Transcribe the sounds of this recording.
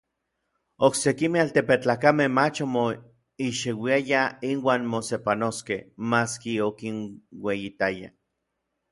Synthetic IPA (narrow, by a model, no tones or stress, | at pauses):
oksekimealt̪epet͡ɬaːkamehmat͡ʃomo | iʃiwiajainwaːnmosepanoskehmaskiokinwejit̪aja̰